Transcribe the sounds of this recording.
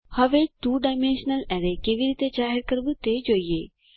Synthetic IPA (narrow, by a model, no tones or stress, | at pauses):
hɐʋet̪uɖaɪmẽnʃnəlɛɾekeʋiɾiːt̪ed͡ʒaːɦeɾkəɾbut̪ed͡ʒoːije